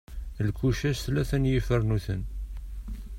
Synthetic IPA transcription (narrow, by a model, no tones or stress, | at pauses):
lkuʃæsθlæθænjifəɾnuθən